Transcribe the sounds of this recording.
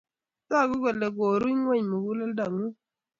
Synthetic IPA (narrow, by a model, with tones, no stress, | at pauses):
sa˦˨ɡu˦ɡe˨lːe˨ɡo˨ɾu˦ɲ˦we˦ɲ˨mu˨ɡu˦la˦lda˨ŋu˦